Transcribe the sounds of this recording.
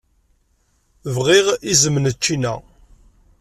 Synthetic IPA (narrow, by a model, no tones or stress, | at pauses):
vʁiʁizəmnət͡ʃːinæ̰